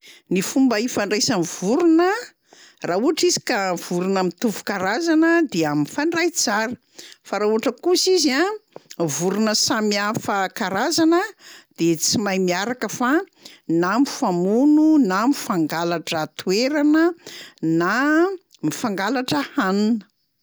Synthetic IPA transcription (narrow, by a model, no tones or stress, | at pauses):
nifumbəifaɳɖ͡ʐejsanivuɾunə | rauaʈ͡ʂizi̥kav̥uɾunəmit̪uvu̥kaɾazanəd̪eaminfaɳɖ͡ʐajt͡saɾə̥ | faɾauaʈ͡ʂəkusizia | vuɾunəsamiafəkaɾazanəd̪̥et͡simajmiaɾakəfa | namifamununamifaŋɡalaʈ͡ʂət̪ueɾanəna | mifaŋɡalaʈ͡ʂəhanunə̥